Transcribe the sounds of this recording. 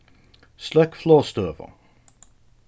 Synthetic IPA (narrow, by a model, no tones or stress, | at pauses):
slœkflɔːst̪øːvə̰